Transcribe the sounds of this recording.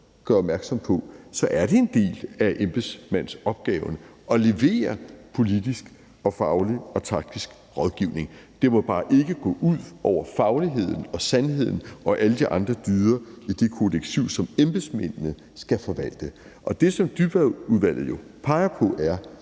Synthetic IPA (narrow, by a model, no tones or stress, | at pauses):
ɡ̥ɶɐɒb̥̚mæɐɡ̥sɒ̽m̰pʰɒ̽sɒ̽ʔæɐɾ̥e̝e̝nd̥e̝̰ːlæʔemb̥esmæn̰sɒ̽b̥̚ɡ̥ɛːʊn | ɒ̽le̝ʋe̝̰ːɐpʰo̝lid̥isɡ̥ | ɒ̽fɑ̈ʊliɒ̽t͡sʰɑ̈ɡ̥̚d̥isɡ̥ | ʁɒ̽ðˠɡ̥iʊne̝ŋd̥e̝mo̽b̥ɑ̈ːʔe̝ɡ̥əɡ̥ɔ̰̽ːʔuð̰ˠʔɒʊ̰ɐfɑ̈ʊliɦe̝ð̞̰ˠn̩ɒ̽sænɦe̝ð̞̰ˠn̩ʔɒ̽ʔæləd̥iʔɑ̈nd̥ʁɐd̥yːðˠɐid̥e̝kʰo̝leɡ̥̚t͡sʰiʊsɒ̽memb̥esmenːə | sɡ̥æfɒ̽ʋæl̰d̥ə | ʔɒ̽d̥e̝sɒ̽md̥yb̥æðuðˠʋæl̰ð̩ˠjo̝ | pʰɑ̈ɪɐpʰɔ̽ʔæɐ